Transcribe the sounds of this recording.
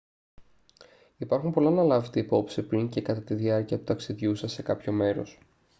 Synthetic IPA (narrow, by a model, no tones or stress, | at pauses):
ipɐɾxumpo̞lɐnɐlɐvet̪eipo̞psipɾiɲcekɐt̪ɐt̪iðiɐɾciɐt̪u̥t̪ɐksiðʝusɐse̞kɐpço̞me̞ɾo̞̰s